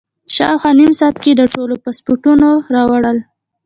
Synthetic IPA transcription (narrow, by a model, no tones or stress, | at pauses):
ʃɑwxwɑnimsɑt̪̚ked̪əʈolopɑspoɾʈunoɾɑwaɽəl